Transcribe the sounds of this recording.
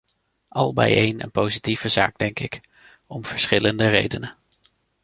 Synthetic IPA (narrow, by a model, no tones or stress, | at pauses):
ʔɑlˠbɛ̰jejnə̰npowzitivəza̰ːɡ̚dɛŋkɪk | ɔmv̥əɹsχɪləndərejdənə